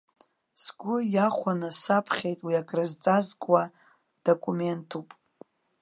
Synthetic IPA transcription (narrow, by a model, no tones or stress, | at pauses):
sɡʷʊjaχʷanɨsapʰχʲejtʼwiaɡʼrɨzt͡sʼazkʷʼwa | d̥okʷʼume̞ntʰupʼ